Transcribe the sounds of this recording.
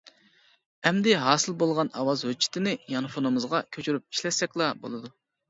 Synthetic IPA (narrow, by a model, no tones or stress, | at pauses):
ɛmd̪ɪɦɑːsɨlˠbolˠʁɑnɑ̰wɑzɦøt͡ʃʰːi̥t̪ʰɪnɪjɑnɨfonɨmɨzʁɑkʲʰøt͡ʃʰyɾyp̚i̥ʃlɛsɛkʲlˠɑbo̰lˠɨd̪u